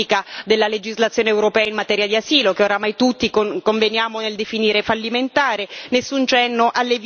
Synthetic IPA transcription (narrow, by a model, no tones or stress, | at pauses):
ikad̪elːaled͡ʒizlat̪sːjoneːwɾopɛːainmat̪ɛːɾjad̪iasiːlokeoɾamajt̪ut̪ːikokoɱvenjaːmoneld̪efiniːɾefalːiment̪aːɾenesːunt͡ʃɛnːoʔalːev